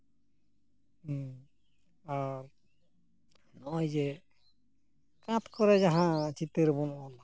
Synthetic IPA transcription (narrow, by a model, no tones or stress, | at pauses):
aɾ | nɔʔɔjd͡ʒɛ | kãt̪kɔɾɛd͡ʒaɦãt͡ʃit̪əɾɛbɔnɔʔɔna